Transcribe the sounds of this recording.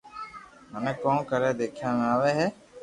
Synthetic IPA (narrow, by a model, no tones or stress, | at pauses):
mənɛ̃ːkõːnkəɾeːd̪eːkʰjãːmaːʋeːɦɛː